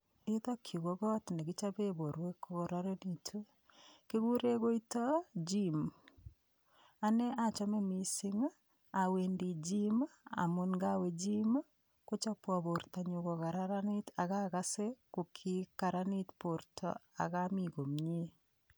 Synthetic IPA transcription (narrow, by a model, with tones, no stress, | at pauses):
i˦ðɔ˦kʰi˨ɣo˨ɣɔ˦tne˨ɡi˦t͡ʃa˦be˦βo˨ɾwe˦ko˦ɣoɾa˦ɾe˦ni˨tʰu˦ | ke˦ɣu˦ɾe˦ɣo˦i˦ta˦d͡ʒim | a˦ne˦a˦t͡ʃɔ˦mɛ˦mi˨si˦ŋa˦ | a˨we˨ndi˨d͡ʒi˦ma˦a̰˨mo˦nɡa˦we˨d͡ʒi˦ma˦ | ko˦t͡ʃa˦pwa˨βo˨ɾta˨ɲu˨ɣɔ˨ɣa˨ɾa˦ɾa˦ni˦ta˨ɣa˦ɣa˦se˦ko˨kʰi˦ka˨ɾa˦ni˦tpo˨ɾtʰɔ̰˨a̰˨ɣami˨ɣo˨mɲe˦